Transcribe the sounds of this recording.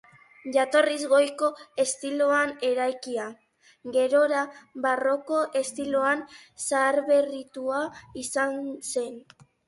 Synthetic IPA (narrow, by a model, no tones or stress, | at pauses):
ʝat̪o̞rizɣo̞jko̞e̞st̪ilo̞ane̞ɾajkia | ɡe̞ɾo̞ɾaβaro̞ko̞ʔe̞st̪iloansaːɾβe̞rit̪uaisanse̞n